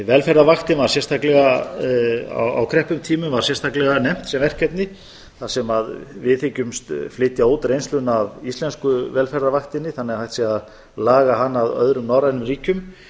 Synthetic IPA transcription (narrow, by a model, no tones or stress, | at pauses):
vɛlfɛɾðavaxt̪ɪnvaɾ̥sɛnst̪ʰaklɛɣa | a̰wa̰wkʰɾɛhpʏmt̪ʰiːmʏmvaɾsjɛn̥st̪ʰaklɛɣanɛm̥t̪sɛmvɛr̥cɛt̪nɪ | θasɛmaðvɪðθɪcʏmst̪flɪːt̪jaot̪ɾejnst̪lʏnavist̪lɛnskʏvɛlfɛɾðavaxt̪ɪnːɪθanːɛɣahajht̪siað | laːɣaɦanːaðœ̰ðɾʏmnawɾanʏmriːcʏm